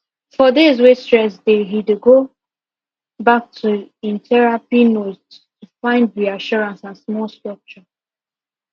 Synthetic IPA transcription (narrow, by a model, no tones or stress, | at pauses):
fɔdezwestɹɛs̬deɦideɡo | bak̚tʰuĩntʰɛɹapinot | tufãɪ̃ndɹiaʃɔɹãnsãnsmɔlstɹɔk̚t͡ʃɔ